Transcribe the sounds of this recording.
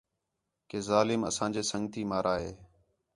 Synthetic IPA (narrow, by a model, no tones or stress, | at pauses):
keːzaːlɪmə̰sãːd͡ʒeːsəŋɡt̪iːmaːɾaːɦeː